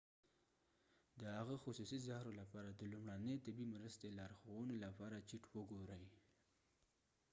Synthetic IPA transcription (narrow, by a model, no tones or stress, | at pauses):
d̪əhaɣaxʊsusizahɾolapɑɾad̪əlumɽanəjt̪abimɾəst̪elɑɾxowənolapɑɾat͡ʃiʈwəɡoɾəj